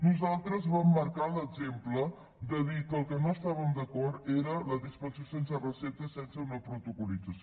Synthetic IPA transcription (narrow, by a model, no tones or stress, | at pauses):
nuzalˠt̪ɾəzβamːəɾkaləɡzemplə | d̪əðikəlˠkənoəst̪aβəmd̪əkɔɾt̪eɾələðispəsiosensərəsɛt̪əsɛnsəunəpɾut̪ukulid͡zəs